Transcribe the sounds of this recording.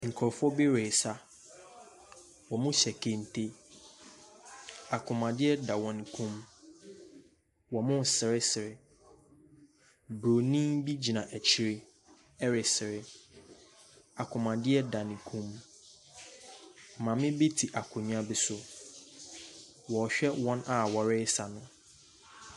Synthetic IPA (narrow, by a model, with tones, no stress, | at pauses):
ŋ̩˨kʰɔ˨ɾfɔ˦be˦ɾeː˨sa˦ | wɔ˨mʊ̃˦ɕɛ˨kʰe˨n̩˨tʰe˦ | a˨kʰʊ̃˨mã˨dɪ˦ɛ˦da˨wɔ̃˨ñ˨kʰũ˦m | wɔ˨mʊ̃˦˨sɪ˨ɾɪ˦sɪ˨ɾɪ˨ | bɾo˨nĩ˦mbi˦d͡ʑi˨nã˨ʔæ˨t͡ɕʰi˨ɾe˦ | ɛ˦ɾɪ˨sɪ˨ɾɪ˦ | a˨kʰʊ˨mã˨dɪ˦ɛ˦da˨nɪ̃˨kʰũ˦m˨ | mã˨mɪ̃˦be˦tʰi˨ʔa˨kʰʊ̃˨ɲ˦ã˦bɪ˨sʊ˦ | wɔ˨ɕᶣɛ˦wɔ̃˦na˨wɔ˨ɾɪ˦sa˨nʊ̃˨